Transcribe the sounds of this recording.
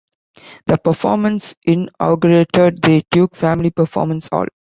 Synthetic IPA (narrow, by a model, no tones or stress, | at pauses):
d̪̥əpəfɔːɾmə̃nsʔɪ̃nɔ̰ːɡuɾeʈəɖ̚d̪əʈjuːkfæ̃mɪlipəɾfɔ̰ːɾmə̃nsɔ̰ːl